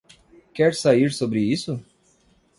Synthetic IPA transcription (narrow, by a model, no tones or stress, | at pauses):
kɛɾsaiɾsobɾɪisʊ